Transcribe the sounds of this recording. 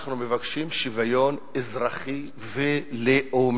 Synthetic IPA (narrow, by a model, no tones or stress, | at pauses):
χnumevakʃimʃivajonezʁaχi | veleʔom